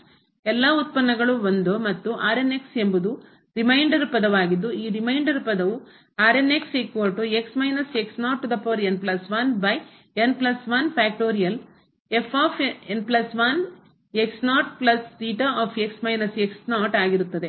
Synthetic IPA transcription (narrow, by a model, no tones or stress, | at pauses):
ɛlːaːut̪̚pɐnːɐɡɐɭuʋond̪umɐt̪ːuʔaːɾene̞kse̞mbud̪u | ɾimɐjɳɖɐɾpɐd̪ɐʋaːɡid̪ːuiːɾimɐjɳɖɐɾpɐd̪ɐʋu | aːɾene̞kseːkʋoɾʈue̞ksmɐjnɐseksnaːʈːd̪ɐpoːɾenplɐsʋɐnbɐj | enplɐsʋɐnpʰaːk̚ʈoːɾijɐl | epʰaːpʰenplɐsʋɐn | eksnaːʈplɐssiːʈɐaːpʰe̞ksmɐjnɐseksnaːʈaːɡiɾut̪ːɐd̪e̞